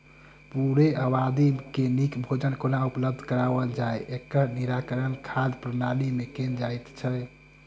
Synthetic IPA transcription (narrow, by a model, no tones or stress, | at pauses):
puɾeʔəbad̪ikenikbʱod͡ʒənkonaupləb̚d̪ʱkəɾaʋəld͡ʒaeekːəɾniɾakəɾənkʰad̪pɾənalimekend͡ʒajt̪t͡ʃʰɛ